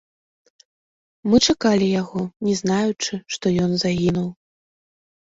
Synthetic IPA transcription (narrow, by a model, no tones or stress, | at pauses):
mɨt͡ʂakalʲijaɣɔnʲɛznajut͡ʂɨʂt̪ɔjɔnzaɣʲinuw